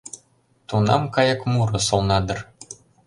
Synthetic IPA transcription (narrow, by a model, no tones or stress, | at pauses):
t̪unɑmkɑjɤ̆kmuɾɤ̆solˠnɑd̪ɤ̆r